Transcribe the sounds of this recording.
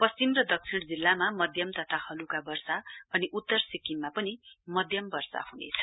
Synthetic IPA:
pʌst͡simrʌd̪ʌk̚t͡sʰiɽ̃d͡zilːamamʌd̪ʱjʌmt̪ʌt̪ʰahʌlukabʌrsaʌniʔut̪ːʌrsikimːapʌnimʌd̪ʱjʌmbʌrsa̰hunḛt͡sʰʌ̥

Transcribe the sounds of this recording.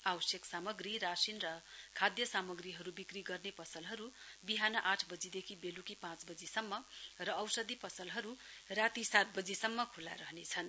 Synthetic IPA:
awʌsjeksamʌɡriɾasinrʌkʰad̪jʌsamʌɡriɦʌɾubikriɡʌrnepʌsʌlɦʌɾubiɦanʌʔaʈʰbʌd͡zid̪ekʰibelukipãt͡sbʌd͡zisʌmːʌrʌːwsʌd̪ipʌsʌlɦʌɾurat̪isat̪̚bʌd͡zisʌmːʌkʰulːa̰ɾʌɦnet͡sʰʌn

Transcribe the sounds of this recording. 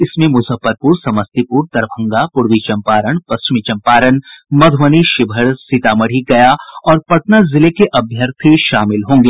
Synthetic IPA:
ɪsmẽmʊsəfəɾpuːɾsɐməst̪ipuːɾt̪ɐɾbʱə̃ŋɡapʊɾʋit͡ʃɐ̃mpaːɾəɳpɐst͡ʃɪmit͡ʃɐ̃mpaːɾənmɐd̪ʱʋəniʃɪbʱəɾsɪt̪aːmɐɽ̤iɡɐjaɔːɾpɐʈnazɪlekeʔɐbʱjəɾt̪ʰiʃaːmɪlɦõːŋɡeː

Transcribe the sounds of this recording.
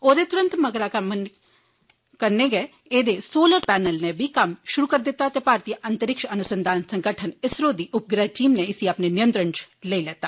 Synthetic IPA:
oːd̪eːt̪ʊɾə̃nt̪məɡɾaːkɐmən | kəɾneːɡɛː | eːd̪eːsoːləɾpɛːnəlnebʱiːkɐmʃʊɾuːkəɾd̪ɪt̪ːaːt̪eːpaːɾt̪ijəʔənt̪əɾɪkʃənʊsənd̪ʱaːnsəŋɡəʈʰənɪsɾoːd̪iːʔʊp̚ɡɾaʈiːmneɪsiapneːnɪjə̃nt̪ɾəɳt͡ʃ | leːilɛːt̪aː

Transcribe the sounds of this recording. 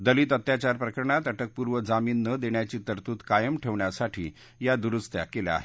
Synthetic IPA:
d̪əliːt̪ət̪jat͡ɕaɾpɾəkəɾɳat̪əʈək̚puɾʋəd͡zamiːnːəd̪eɳjat͡ɕiːt̪əɾt̪uːt̪kajəmʈʰeʋɳjasaʈʰḭː | jad̪uɾust̪ja̰kelea̰ɦe

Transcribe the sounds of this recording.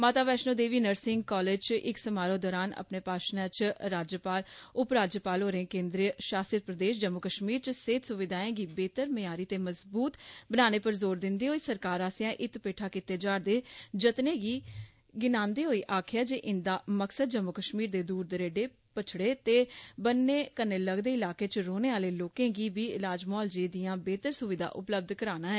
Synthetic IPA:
maːt̪aːʋɛːʃnoːd̪eːʋiːnəɾsɪ̃ŋɡkɔːleːd͡ʒt͡ʃɪksəmaːɾõːd̪ɔːɾaːnə̰pneːpaːʃnãːt͡ʃɾaːd͡ʒjəpaːlʊpɾaːd͡ʒjəpaːlɦoːɾẽːkẽːnd̪ɾiəʃaːsət̪̚pɾəd̪eːʃd͡ʒəmːʊkəʃmiːɾt͡ʃəseːt̪sʊʋɪd̪aːẽːɡiːbeːt̪əɾməjaːɾiːt̪eːməzbuːt̪bənaːneːpəɾzoːɾd̪ɪnd̪eːɦoːiːsəɾkaːɾaːsjãːʔɪt̪peːʈʰaːkɪt̪eːd͡ʒaːɾd̪eːd͡ʒət̪neːɡiː | ɡɪnãːnd̪eːɦoːiːʔaːkʰɪjaːd͡ʒeːʔɪnd̪aːməksəd̪d͡ʒəmːʊkəʃmiːɾd̪eːd̪uːɾd̪əɾeːɖeː | pət͡ʃʰɽeːt̪eːbənːeːkənːeːləɡd̪eːɪlaːkeːt͡ʃɾoːneːaːleːloːkẽːɡiːbiːɪlaːd͡ʒmɔːld͡ʒeːd̪ijãːbeːt̪əɾsʊʋɪd̪ʱa̰ːʔʊpləb̚d̪kəɾaːnaːɦɛː

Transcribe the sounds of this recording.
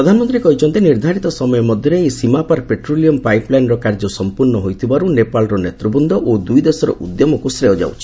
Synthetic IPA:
ɾɔd̪ʱanɔmɔnt̪ɾikɔɦit͡ʃʰɔnt̪eniɾd̪ʱaɾit̪ɔsɔmɔjɔmɔd̪ʱjɔɾeesimapaɾpeʈɾoliɔmpajplajnɾɔkaɾd͡ʒɔsɔmpuɾnɔɦojt̪ʰibaɾunepalɾɔnet̪ɾɔbund̪ʱɔʔod̪ujd̪esɔɾɔ̰ʔud̪jɔmɔkusɾeɔd͡ʒa̰wt͡ʃʰi̥

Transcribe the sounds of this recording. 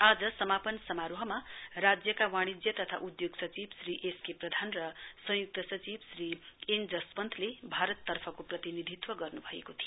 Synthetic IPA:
ad͡zʌsʌmapʌnsʌmaɾoɦʌmarad͡zjʌkawaɽ̃id͡zjʌt̪ʌt̪ʰa̰ʔud̪joɡsʌt͡sibsriʔeskeprʌd̪ʱanrʌsʌ̃juk̚t̪ʌsʌt͡sibsriend͡zʌspʌnt̪ʰlebʱaɾʌt̪ːʌrpʰʌkoprʌt̪inid̪ʱit̪wʌɡʌrnubʱʌḛkot̪ʰi

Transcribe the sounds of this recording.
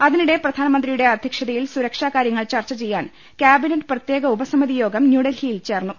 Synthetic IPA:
ɐðiniɽe̞prɐd̪ʱaːnɐmɐnd̪rijuɽe̞ɐd̪ʱjɐkʂɐðɐjilsuɾɐkʂaːkaːɾjɐŋːɐɭt͡ɕɐrt͡ɕːɐt͡ɕe̞jːaːn | kʲjaːbineʈːɨ̥prɐt̪je̞ːɡɐubɐsɐmɐðijo̞ːɡɐmnjuːɽɐlhijilt͡ɕe̞ːrnːu

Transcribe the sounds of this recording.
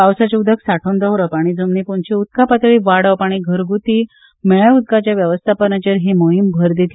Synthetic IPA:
awsat͡ɕeud̪ʱəksaʈʰond̪əɦɾəpaɽ̃iːd͡zəmnipoɳt͡ɕiud̪̚kapat̪ɭiːʋaɽəʋpaɽ̃iːɡʱəɾɡut̪iː | mɛɭəud̪̚kat͡ɕjaʋjəʋəst̪ʰapənat͡ɕeɾɦemoɦimbʱəɾd̪et̪ʰ

